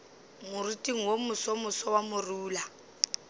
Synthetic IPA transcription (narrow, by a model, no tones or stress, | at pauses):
mʊritʼiŋ̩womʊsɔmʊsɔwamʊruːla